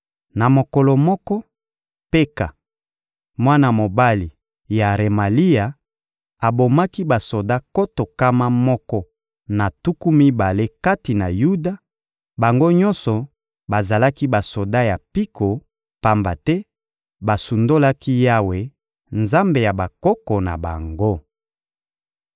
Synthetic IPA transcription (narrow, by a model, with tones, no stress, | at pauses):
na˨mo˨kɔ˨lɔ˨mɔ˦kɔ˦ | pe˦ka̰˨ | mwa˦na˨mo˨ba˦li˨ | ja˨ʁe˨ma˨li˦ja˨ | a˨bo˨ma˦ki˦ba˨so˨da˦ko˦to˨ka˦ma˦mɔ˦kɔ˦ | na˨tu˦ku˦mi˦ba˨le˦ka˦ti˨na˨ju˦da˨ | ba˨ŋɡo˦ɲɔ˦nsɔ˨ | ba˨za˨la˦ki˦ba˨so˨da˦ja˨pi˦ko˨ | pa˦mba˨tɛ˦ | ba˨su˨ndo˦la˦ki˦ja˦we˨ | nza˦mbe˨ja˨ba˨kɔ˦kɔ˨na̰˨ba̰˨ŋɡo˦